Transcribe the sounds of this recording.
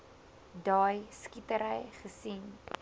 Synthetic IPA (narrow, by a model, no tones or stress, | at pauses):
dɑːjskitəɾəjχəsin